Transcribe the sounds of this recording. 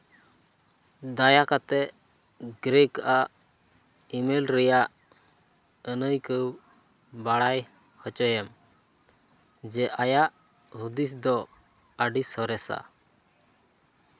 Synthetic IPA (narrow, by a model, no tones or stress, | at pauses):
d̪ajakat̪ɛʔ | ɡɾɛkaʔaʔ | imɛlɾɛjaʔ | ənəjkəw | baɽaj | hɔt͡ʃɔjɛm | d͡ʒɛʔajaʔ | hud̪is̬d̪ɔ | əɖisɔɾɛsa̰